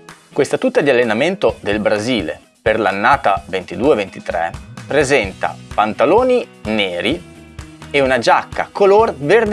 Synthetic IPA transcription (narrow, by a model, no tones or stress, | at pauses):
kwest̪at̪ut̪ːad̪ialːenament̪od̪elbɾaziːlḛ | perlanːaːt̪avent̪id̪uːevent̪i̥t̪ɾɛ̰pɾezɛnt̪a̰pant̪aloːnineːɾi | eunad͡ʒakːa̰kolorverd̪